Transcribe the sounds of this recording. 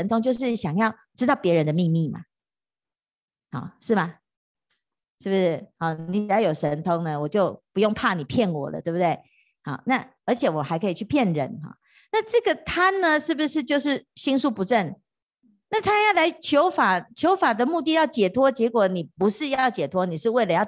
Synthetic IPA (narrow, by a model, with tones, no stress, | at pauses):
ə˧nt̪ʰʊ˥ŋt͡ɕjo˥˧ʊʂɻ̩˥˩ɕjɑ˨˩ŋjɑ˥˧ʊʈ͡ʂɻ̩˥t̪ɑ˥˩ʊpjɛ˧˥ɻə˧˦nd̪ə˧mi˥˧mi˥˩ma̰˨˩ | hɑ̰˨˩˦ʂɻ̩˥˩mɐ˩ | ʂɻ̩˥˩bu˩ʂɻ̩˥˩ɑ˧˩ni˧˥˨jɑ˥˩jo˨˩ʊʂə˧˥nt̪ʰo˥ŋnə˧wɔ˨˩t͡ɕjo˥˩ʊpu˧˥jo˥˧ŋpʰa˥˩ni˨˩pʰjɛ˥˩nwɔ̰˨˩lə̰˦we˥˩bu˩t̪we˥˩ɪ | ɑ̰˨˩na˥˩ə˞˧˥t͡ɕʰjɛ˨˩wɔ˨xa˧ɪkʰɤ˧˥i˨˩t͡ɕʰy˥˩pʰjɛ˥˧nɻə̰˧˥˦nxɑ̰˨˩ | na˥˧ʈ͡ʂɤ˥˩ɡə˩t̪ʰa˥nnə˧ʂɻ̩˥˩bu˩ʂɻ̩˥˧t͡ɕjo˥˧ʊʂɻ̩˥˩ɕi˥nsu˥˩pu˧˥ʈ͡ʂə˥˩n | na˥˩t̪ʰa˥jɑ˥˩ʊla˧˦ɪt͡ɕʰjo˧˦˥ʊfa˨˩t͡ɕʰjo˧˥ʊfa˨˩d̪ə˦mu˥˧t̪̬i˥˧jɑ˥˩ʊt͡ɕjɛ˨˩t̪ʰwɔ˥t͡ɕjɛ˧˥kwɔ˨˩ni˨˩pu˧˥ʂɻ̩˥˧jɑɑ˥˩ʊt͡ɕjɛ˨˩t̪ʰwɔ˥ni˨˩ʂɻ̩˥˧we˥ɪlə˨˦jɑ˥˩ʊ